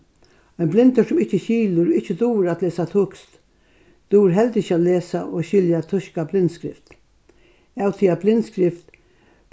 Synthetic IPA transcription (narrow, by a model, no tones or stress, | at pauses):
ajnblɪnt̪əsʊmɪht͡ʃːəɕiːlʊɾɪht͡ʃːəd̪uːɾaːt̪leːsat̪ʰʊkst̪ | d̪̥uːɾɦɛlt̪ɪçaːt̪leːsaʔoɕɪljat̪ʰʊʃkablɪnt̪skɾɪ̰ft̪ | awt̪ʰiːablɪnt̪skɾɪft̪